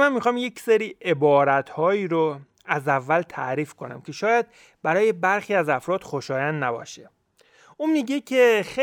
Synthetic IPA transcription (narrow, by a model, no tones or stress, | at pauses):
mænmixɒːmje̞cʰseɾiːʔe̞bɒːɾæt̪ʰhɒːjiːɾo | æzævːælt̪ʰæɾiːfkʰo̞næ̰mcʰe̞ʃɒːjæd̪̥̚ | bæɾɒːje̞bæɾxiːæzæfɾɒːd̪̥xoʃɒːjænd̪næbɒ̰ːʃe | uːnmiɟecʰexe